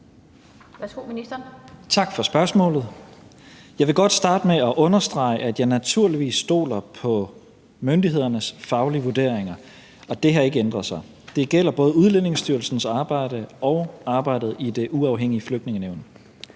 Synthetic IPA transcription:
ʋæsɡ̥o̝̰minisd̥ɐnt͡sʰɑ̈ɡ̥fɒsb̥ɶɐsmɔ̰̽ːlð̩ˠ | jɑ̈ɪʋe̝ɡ̥ɒ̽d̥sd̥ɑ̈ːd̥əmeɒ̽ʔɔ̽nɐsd̥ʁɑ̈ɪʔæd̥jɑ̈ɪnæt͡sʰuɐliʋḭːsːd̥o̝̰ːlɐpʰɒ̽ | mønd̥iɦe̝ð̞̰ˠɐnəsfɑ̈ʊliʋuɐd̥e̝̰ɐ̰eŋɐ | ɒ̽d̥e̝ɦæe̝ɡ̥əend̥ʁɐðˠsɑ̈ɪ | d̥e̝ɡ̥el̰ɐb̥ɔ̽ːð̞ˠuðˠlene̝ŋsd̥yːɐl̩sn̩sɑ̈ːb̥ɑ̈ɪ̰ɾ̥əɒ̽ʊɑ̈ːb̥ɑ̈ɪ̰d̥ð̞̩ˠid̥e̝ʔuɑ̈ʊɦeŋ̰iəfløɡ̥̚d̥ne̝ŋəneʊ̰n

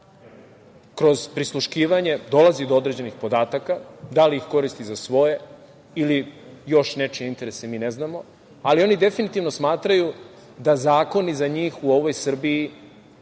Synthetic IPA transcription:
kɾo̞zpɾislˠuʃkiːʋaɲe̞d̪o̞lˠazid̪o̞o̞d̪ɾe̞d͡ʑe̞nixpo̞d̪aːt̪akad̪aliixko̞ɾist̪izasʋo̞je̞ | ilijo̞ʃne̞t͡ʃeint̪e̞ɾe̞semiːneznamo̞ | alio̞nid̪e̞finit̪iːʋno̞smaːt̪ɾaju | d̪azaːko̞nizaɲiːxuo̞ʋo̞jsr̩biː

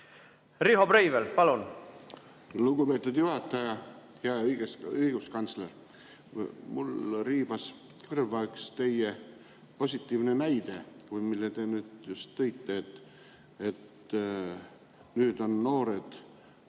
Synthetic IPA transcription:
riɦobɾejvelpɑlun | luɡupeːt̪ːˑud̪̥juhɑt̪ːˑɑjɑ | heɑɤjɡ̥esɯiɡ̥uskɑnt̪sleɾ | mulriːbɑs | kɯrvɑykst̪e̞je | po̞sʲit̪ːˑiːvnenæjd̪̥e̞kujmilːet̪e̞nyːd̪̥just̪ːɤjt̪ˑːeːt̪ | et̪ | nyːd̪o̞nːo̞ːɾe̞d̪̥

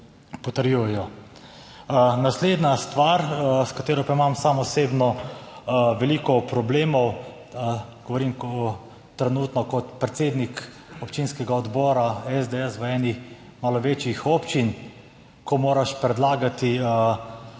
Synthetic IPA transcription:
pɔt̪əɾjujɛjɔ | nasleːd̪nast̪ʋaːɾskat̪eːɾɔpaimamsamɔseːbnɔ | ʋɛliːkɔpɾɔbleːmɔw | ɡ̥ɔʋɔɾiːmk̪ː | ɾɛnuːt̪nɔkɔt̪pɾɛt̪seːd̪nik | ɔpt͡ʃiːnskɛɡaɔd̪bɔːɾaɛzd̪eɛsʋəɛːnimaːlɔʋeːt͡ʃjixɔːpt͡ʃin | kɔmoːɾaʃpɾɛd̪laːɡat̪iə

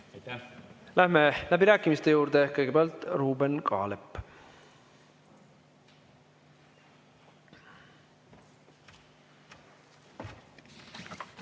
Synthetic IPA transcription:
læhmelæbiɾæːkːˑimist̪e̞juːɾd̪ekɤjɡe̞peɑlt̪ruːbenkʰɑ̰ːlepː

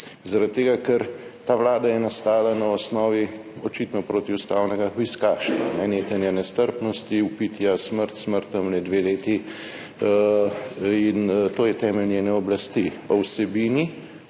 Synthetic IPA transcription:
zaɾat̪̚t̪ːeːɡakɛɾt̪aːʋlaːd̪ajɛnast̪aːlanaɔsnɔːʋiɔt͡ʃit̪nɔpɾoːt̪iust̪awnɛɡaxʋiskaːʃt̪anɛneːt̪anjɛnɛst̪əɾpnɔst̪iupiːt̪jasməɾt̪sməɾt̪ɔmlɛd̪ʋeleːt̪i | int̪oːjɛt̪ɛːmɛlnjɛnɛɔblast̪ipɔwsɛbiːni

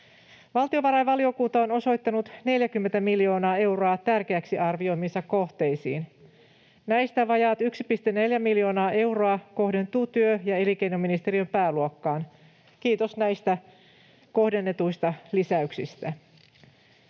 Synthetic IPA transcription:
ʋɑlt̪io̞ʋɑɾɑjʋɑlio̞kuːt̪ɑono̞so̞jt̪ːɑnut̪ne̞ljækymːe̞nt̪æmiljo̞ːnɑːe̞wro̞ɑt̪ærkeæksiʔɑrʋio̞jminsɑkːo̞ht̪e̞jsḭːn | næjst̪æʋɑjɑt̪yksipist̪enːe̞ljæmiljo̞ːnɑːʔe̞wroɑko̞hde̞nt̪uːt̪yøjɑe̞likejnominist̪eriømpæːluokːɑːn | kiːt̪o̞snæjst̪æ | ko̞hde̞nːe̞t̪ujst̪ɑlisæyksist̪æ

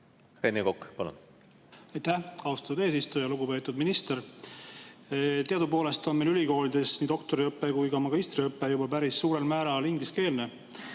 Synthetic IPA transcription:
renːekokːpɑlṵn | ɑjt̪æhɑust̪ɑ̥t̪ːud̪e̞ːs̬ist̪ujɑluɡupe̞ːt̪ːˑud̪minist̪e̞ɾ | t̪eɑd̪upo̞ːle̞st̪o̞nmelylʲiko̞ːlid̪̥e̞sniːd̪o̞kt̪o̞ɾiɤpːe̞kujkɑmɑɡist̪riɤpːe̞jubɑpæɾisːuːɾe̞lmæːɾɑliŋɡ̥liske̞ːlne

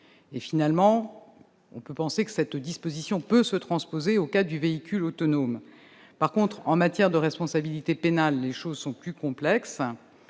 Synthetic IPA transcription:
efinalmɑ̃ | ɔ̰̃pøpɑ̃sekə̥sɛt̪d̪ispozisjɔ̃pøsət̪χɑ̃spozeokad̪yveikʲylot̪ɔnom | paʁkɔ̃t̪χɑ̃mat̪jɛʁd̪əʁɛspɔ̃sabilit̪epenalːeʃozsɔ̃plykɔ̃plɛks

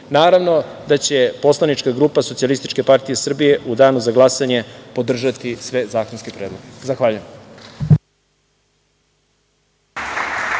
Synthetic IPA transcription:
naːɾaʋno̞d̪at͡ɕe̞po̞slˠanit͡ʃkaɡɾuːpasot̪sialist̪it͡ʃke̞paɾt̪ije̞sr̩bije̞ʔud̪aːnuzaɡlˠasaɲe̞po̞d̪r̩ʒat̪isʋe̞zaːkonskipɾe̞ːd̪lˠoɡezaxʋaːʎujem

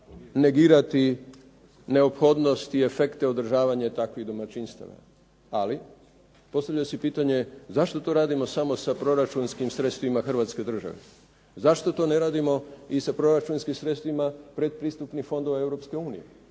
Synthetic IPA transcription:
ne̞ɡiːɾat̪i | ne̞opxo̞d̪no̞st̪ie̞fe̞kt̪e̞od̪r̩ʒaːʋaɲet̪akʋiɣd̪omat͡ʃinst̪a̰ʋa̰ | ali | po̞st̪aʋʎaosipiːt̪aɲe̞zaʃt̪o̞t̪o̞ɾaːd̪imo̞samo̞sapɾo̞ɾat͡ʃunskimsɾe̞t̪st̪ʋimaxrʋaːt̪ske̞d̪r̩ʒa̰ʋḛ | zaʃt̪o̞t̪o̞ːne̞ɾaːd̪imo̞isapɾo̞ɾat͡ʃunskimsɾe̞t̪st̪ʋimapɾe̞d̪̚pɾiːst̪upnixfo̞nd̪o̞ʋae̞vɾo̞pske̞uːnijḛ

